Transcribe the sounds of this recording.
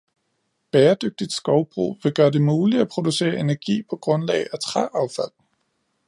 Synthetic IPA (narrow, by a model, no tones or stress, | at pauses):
b̥ɛːɐd̥øɡ̥̚d̥id̥sɡ̥ɒʊb̥ʁṵːʋe̝ɡ̥ɶːɐd̥e̝muːliæpʰʁo̝d̥use̝̰ːɐʔe̝næɐɡ̥ḭːpʰɒ̽ɡ̥ʁɔ̽nlɛ̰ɪæt͡sʰʁɑ̰ʔɑ̈ʊfæl̰